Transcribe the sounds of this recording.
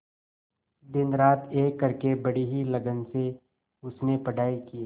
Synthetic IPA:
d̪ɪnɾaːt̪ʰeːkːɐɾkebɐɽiɦilɐɡənse | ʊsnepɐɽ̤ʱaːikiː

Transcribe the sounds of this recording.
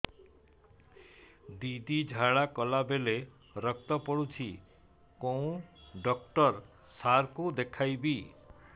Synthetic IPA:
d̪id̪id͡ʒʱaɭakɔlabele | ɾək̚t̪ɔpɔɽut͡ʃʰi | kow̃ɖɔk̚ʈɔɾ | saɾkud̪ekʰajbi

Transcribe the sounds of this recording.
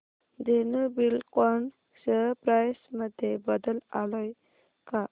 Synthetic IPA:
d̪enəbilkon | səpɾajsməd̪ʱjebəd̪əlaləj | ka

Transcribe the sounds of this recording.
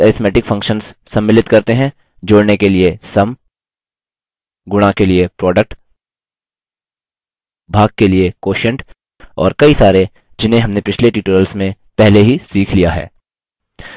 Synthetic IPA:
ɛːɾɪt̪mɛːʈɪkfʰɐ̃ŋkʃənsːɐ̃mːɪlɪt̪kɐɾt̪eɦɛ̃ | d͡ʒoːɽnekeliesɐm | ɡʊɽ̃akeliepɾɔːɖək̚ʈ | bʱaːɡ̚keliekoːʃə̃ɳʈ | ɔ̰ːɾkɐisaːɾe | d͡ʒɪnɦẽɦɐmnepɪt͡ʃʰleʈiːʈoːɾəlsmẽ | pɛɦleɦisiːkʰlijaɦɛ̰ː

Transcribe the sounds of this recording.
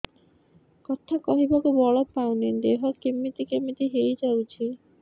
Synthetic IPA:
kɔt̪ʰakɔɦibakobɔɭɔpawned̪eɦɔkemːit̪ikemit̪iɦejd͡ʒawt͡ɕʰi

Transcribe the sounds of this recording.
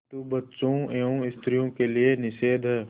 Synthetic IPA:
t̪ubɐtːʃõeːõɪst̪ɾijõkelienɪʃeːd̪ʱɦɛː

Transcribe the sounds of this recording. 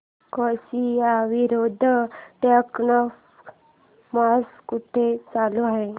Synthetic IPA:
kɔsiaʋiɾod̪ʱʈəknɔf | maskuʈ̪ʰet͡saluaɦe

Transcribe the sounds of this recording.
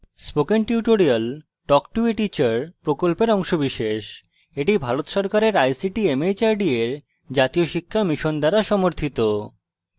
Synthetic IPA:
spokenʈiuʈoɾial | ʈɔkʈueʈit͡ɕaɾpɾokolpeɾɔŋʃobiʃeʃ | eʈibʱaɾot̪ʃɔɾkaɾeɾajsiʈiemet͡ɕaɾɖieɾ | d͡ʑat̪ioʃikʰːamiʃond̪aɾaʃɔmoɾt̪ʰit̪o

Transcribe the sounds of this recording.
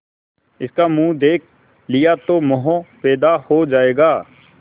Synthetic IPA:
ɪskamũːd̪eːkʰ | lɪjat̪omɔɦõpɛːd̪ahod͡ʒaːeːɡaː

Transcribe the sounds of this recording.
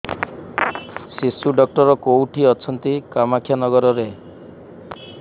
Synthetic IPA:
sisuɖɔk̚ʈɔɾɔkowʈʰiɔt͡ʃʰɔnt̪ikamakʰjanɔɡɔɾɔɾe

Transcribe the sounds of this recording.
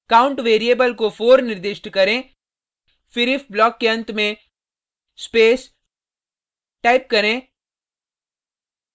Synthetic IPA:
kaːʊ̃ɳʈʋeːɾieːbəlkofoːɾnɪɾd̪ɪʃʈkɐɾẽ | fɪɾɪfblɔːkːeɐ̃nt̪mẽ | speːs | ʈaːɪp̚kɐɾẽ

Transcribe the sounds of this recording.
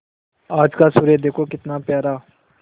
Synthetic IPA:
aːd͡ʒkaːsʊɾeːd̪eːkʰoːkɪt̪naːpjaːɾaː

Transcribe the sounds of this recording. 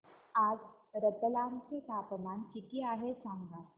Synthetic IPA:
ad͡z | ɾəd̪əlant͡set̪apəmankikiːaɦesãŋɡa

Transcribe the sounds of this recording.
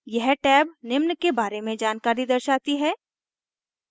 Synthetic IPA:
jɛɦʈɛːbnɪmnkebaːɾemẽd͡ʒaːnkaːɾid̪ɐɾʃaːt̪iɦɛː

